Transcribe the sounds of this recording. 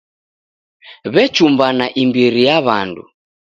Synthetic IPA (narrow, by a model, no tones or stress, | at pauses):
βɛt͡ʃumbanaʔimbiɾijaβandṵ